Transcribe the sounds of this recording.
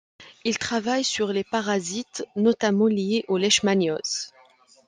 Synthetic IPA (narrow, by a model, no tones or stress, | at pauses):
ilt̪χavajsyʁlepaʁazit̪nɔt̪amɑ̃lieʔolɛʃmanjɔz̥